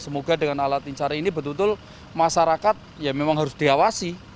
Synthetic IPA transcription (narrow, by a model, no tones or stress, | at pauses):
səmoɡa̤dəŋanalat̪iɲt͡ʃaɾainibə̤t̪unt̪ʊl | maʃaɾakat̪̚jamemaŋɦaɾʊsd̥i̤awasi